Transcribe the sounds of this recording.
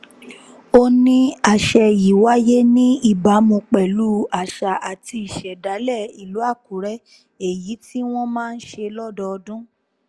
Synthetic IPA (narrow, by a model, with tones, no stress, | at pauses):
o˧nĩ˦a˨ʃɛ˧ji˨wa˦je˦nĩ˦i˦˨ba˨˦mũ˧k͡pɛ˨lu˦a˦˨ʃa˨ʔa˨ti˧i˨ʃɛ˨da˨˦lɛ˦˨i˨lu˨˦a˦˨ku˨˦ɾɛ˦ | e˨ji˨˦ti˦w̃ɔ̃˦mãː˦˧n̩˦ʃe˧lɔ˦dɔ˧ɔ˧dũ˦